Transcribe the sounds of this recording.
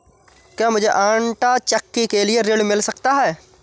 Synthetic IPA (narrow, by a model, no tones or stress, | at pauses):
kjaːmʊd͡ʒʱeʔãːɳʈat͡ʃəkːikelieɾeːɖmɪlsɐkt̪aɦɛː